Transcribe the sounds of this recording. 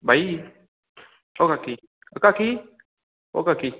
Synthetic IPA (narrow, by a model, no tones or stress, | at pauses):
bai | okaki | akaki | o̰kaki